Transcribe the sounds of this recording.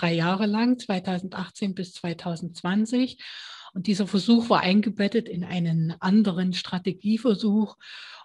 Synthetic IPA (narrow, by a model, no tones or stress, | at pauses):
d̥ʁaɪjaːʁəlaŋt͡sv̥aɪtʰaʊzn̩tʔaχt͡seːnbɪst͡sv̥aɪtʰaʊzn̩tt͡sv̥ant͡sɪçʔʊnt̚d̥iːzɐfɛɐzuːxv̥aːɐʔaɪnɡəbɛtətɪnʔa̰ɪnənʔandəʁənʃtʁ̥ateɡiːfɛɐzuːx